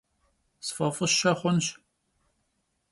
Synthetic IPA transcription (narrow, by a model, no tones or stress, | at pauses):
sfɐfʼɨʃɐχʷʊnɕ